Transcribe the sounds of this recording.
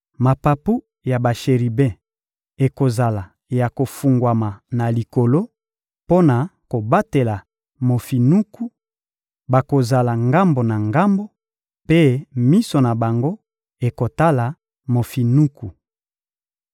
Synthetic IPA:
ma˨pa˨pu˦ | ja˨ba˨ʃe˨ʁi˨bɛ̃˦ | e˨ko˨za˨la˨ | ja˨ko˨fu˨ŋɡwa˨ma˨na˨li˨ko˨lo˦ | po˦na˨ko˨ba˦te˨la˨ | mo˨fi˨nu˦ku˦ | ba˨ko˨za˨la˨ŋɡa˦mbo˨na˨ŋɡa˦mbo˦ | pe˦mi˦so˨na˨ba˨ŋɡo˦ | e˨ko˨ta˦la˨ | mo˨fi˨nu˦ku˨

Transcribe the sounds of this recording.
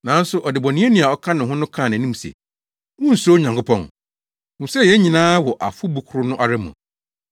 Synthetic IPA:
nã˨n̩˦sʊ˦ʔɔ˨dɪ˨bɔ˨nĩ˦e˦nĩ˨a˨ɔ˦kʰã˦nɪ̃˨ɦʊ̃˦nʊ̃˦kʰã˦˨n˨æ̃˨nĩ˦m˨sɛ̰˨ | wʊ̃˦n̩˨so˦ɲã˨ŋkʊ˦pʰɔ̰̃˦˨ŋ | ʊ̃˨m̩˨sɛ˦˨jɛ˨˦ɲĩ˨nãː˦wɔ˨ʔa̰˨fʊ˦bu˨kʰʊ˨ɾʊ˦nʊ̃˦ʔa˨ɾɛ˦mṵ̃˨

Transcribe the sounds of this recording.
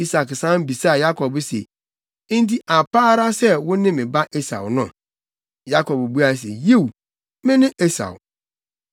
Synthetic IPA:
i˦sa˨ksã˦m˦bi˨sa˦˨ja˦kɔ˨bsḛ˨˦ | n̩˦t̬i˦ʔa˨paː˦ɾa˦sɛ˦wʊ̃˦nɪ̃˦mɪ̃˨ba˦ʔe˦sa̰˨wʊ˨nʊ̰̃˦˨ | ja˦kɔ˨bbu˦a˦˨s̬ḛ˨je˦w | mɪ̃˦nɪ̃˦ʔe˦sa̰˨w

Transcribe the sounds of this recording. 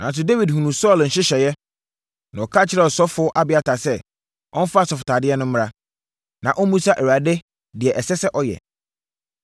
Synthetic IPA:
nʔã˨n˦s̬ʊ˦de˦wi˨dhũ˨nũ˨sɔ˦˨ln̩˨ɕɪ˦ɕɛ˨jɛ˦ | nã˨ɔ˨kʰa˦˨t͡ɕʰɪ˦ɾɛ˦ɔ˨sɔ˦fʊ˨˦ɔ˦ʔa˦bɪ˨a˨tʰa˨sɛ˦ | ɔ̃˦n̩˦fa˦˨sɔ˨fʊ˨tʰaː˨dɪ˦ɛ˦nʊ̃˦m̩˦m˦ɾa˦ | nã˨ʔɔ˦mũ˦sa˦ʔɛ˨ɥa˨dɛ˦ | dɪ˨ɛ˨ʔɛ˨sɛ˦sɛ˦ʔɔ˦jɛ̰˨

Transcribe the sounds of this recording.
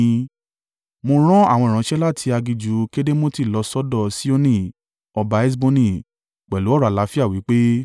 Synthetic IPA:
mo˧ɾ̃ɔ̃˦a˦˨wɔ̃˧˨ɾ̃ã˨˦ʃɛ˦la˦˨tʰi˧a˧ɡi˧d͡ʒu˨˦ke˦de˦mo˦ti˦˨lɔ˧˦sɔ˦dɔ˦˨si˦o˦nĩ˦˨ | ɔ˧ba˧˦ɛ˦s̬bo˧nĩ˧˨ | k͡pɛ˨lu˨˦ɔ˦˨ɾa˨la˨˦fi˦a˦˨wi˨˦k͡pe˦

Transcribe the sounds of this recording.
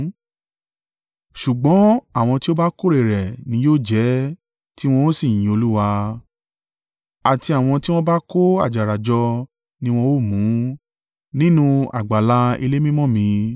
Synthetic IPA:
ʃu˨ɡ͡bɔ̃˨˦a˦˨w̃ɔ̃˧ti˦o˦ba˦ko˦ɾe˨ɾɛ˨nĩ˨˦joː˦˨d͡ʒɛ˨˦ | ti˦w̃ɔ̃˧o˦sĩ˦˨ĩ˨o˧lu˦wa˧ | a˨ti˧a˨w̃ɔ̃˧ti˦w̃ɔ̃˦ba˦ko˦a̰˨d͡ʒa˨ɾa˨d͡ʒɔ˧ | nĩ˧w̃ɔ̃˧o˦˨mũ˨˦ | nĩ˦nũ˧a̰˨ɡ͡ba˨la˨˧ḭ˧le˦mĩ˦mɔ̃˦˨mĩ˧

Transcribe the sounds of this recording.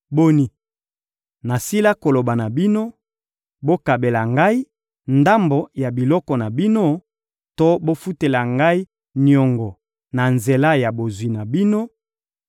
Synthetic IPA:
bo˦ni˨ | na˨si˦la˦ko˨lo˨ba˨na˨bi˦no˦ | bo˦ka˨be˨la˨ŋɡa˦i˦ | nda˦mbo˨ja˨bi˨lɔ˦kɔ˨na˨bi˦no˦ | to˦bo˦fu˦te˨la˨ŋɡa˦i˦ | njɔ˨ŋɡɔ˨ | na˨nze˨la˦ja˨bo˨zwi˨na˨bi˦no˦

